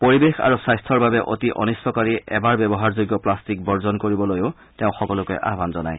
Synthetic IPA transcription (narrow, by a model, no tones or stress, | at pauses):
poɹibexa̰ɹusajstʰɔɹbabɛʔo̰tiʔɔ̰nisːɔkaɹiɛbaɹbɛbɔɦaɹzoɡjɔplastik̚bɔɹzɔnkoɹibɔlojʊ | teʊ̃xɔkɔlʊkɛ̰ʔa̰ɦbanzɔna̰j